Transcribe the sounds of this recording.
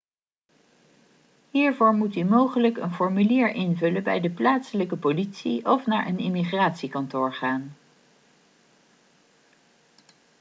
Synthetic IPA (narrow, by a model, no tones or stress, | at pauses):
ɦiːɹvʊːɹmutymowχələkə̰nfɔɹmyliːɹʔɪnvɵləbɛjdəplaːtsələkəpolitsiʔɔfnaːɹʔənɪmiχraːtsikɑntʊːɹχaːn